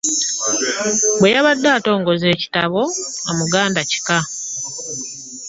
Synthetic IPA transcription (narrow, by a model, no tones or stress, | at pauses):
bwe̞jaβadːaːto̞ːŋɡo̞ze̞ːci̥taβo̞amuɡaːndaci̥ka